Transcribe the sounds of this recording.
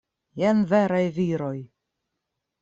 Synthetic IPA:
jɛnvɛɾajviɾoj

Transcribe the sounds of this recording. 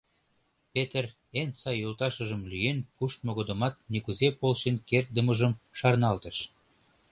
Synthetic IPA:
pet̪ər | ent͡sɑjolt̪ɑʃəʒəmlyjenpuʃt̪̚moɣod̪ə̆mɑt̪̚nekuzepolʃenkert̪̚d̪əməʒəmʃɑrnɑlt̪əʃ

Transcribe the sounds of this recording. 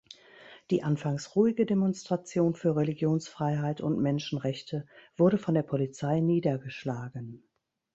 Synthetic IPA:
d̥iːʔanfaŋsʁuːɪɡədemɔnstʁ̥at͡sjoːnfyːɐʁeliɡjoːnsfʁ̥aɪɦaɪtʊntmɛnʃn̩ʁɛçtʰəv̥ʊɐɾəfɔndeːɐpʰɔlit͡saɪniːdɐɡəʃlaːɡən

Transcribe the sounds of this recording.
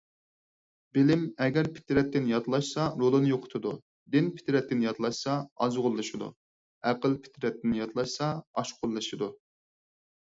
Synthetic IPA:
bɪlɪmɛɡʲɛɾpʰɪ̥t̪ʰɾɛt̪ːɪnjɑt̪lˠɑʃsɑɾolˠɨnɨjoqʰʊ̥t̪ʰɨd̪u | d̪ɪnpʰɪ̥t̪ʰɾɛt̪ːɪnjɑt̪ʰlˠɑʃsɑɑzʁʊlˠːɨʃɨd̪ṵ | æqəlˠpʰɪ̥t̪ʰɾɛt̪ːɪnɪjɑt̪ʰlˠɑʃsɑɑʃqʰʊlˠːɨʃɨd̪u

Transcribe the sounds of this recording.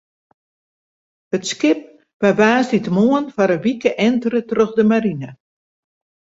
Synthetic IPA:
ətskɪp̚ | ʋaʋaːsditmoənfaɾəʋikəʔɛntərətrøxdəmaɾinə

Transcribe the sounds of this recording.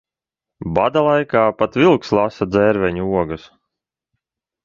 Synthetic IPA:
bad̪alˠajkaːpat̪vilˠkslˠasad̪zɛɾvɛɲuuɔɡus

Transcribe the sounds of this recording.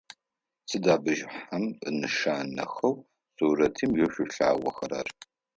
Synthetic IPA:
sɨdaːbɨʒħamɨ̰nɨʃaːnɐ̰xɐw | suːɾɐtʰiːmjɛɕʷʊɬa̰ːwʷɐxɐɾɐ̰r

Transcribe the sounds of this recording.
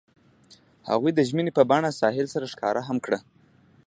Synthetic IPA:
ha̰ɣujd̪əʒmənepəbaɳasɑɦɪlsaɾaʃkɑ̰ɾʔaɦamkɽa

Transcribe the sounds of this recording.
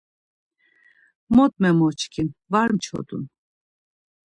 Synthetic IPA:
mɔt̪mɛmɔt͡ʃkʰinvaɾmt͡ʃʰɔ̰t̪ṵn

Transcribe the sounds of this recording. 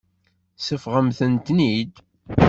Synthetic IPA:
səfʁəmθənt̪nid̪

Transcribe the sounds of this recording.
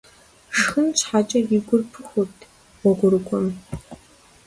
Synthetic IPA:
ʂxɨnt͡ɕħaːt͡ʃʼɐjɪɡʷʊrpʰɨxʷʊtʰ | wʷɔɡʷʊɾɨkʷʼɔm

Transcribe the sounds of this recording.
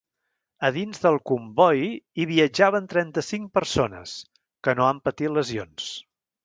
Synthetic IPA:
əðinzðəlˠkumbɔjiβiəd͡ʒaβənt̪ɾɛnt̪əsiŋk̚pəɾsonə̰s | kənoampət̪it̪ləzions

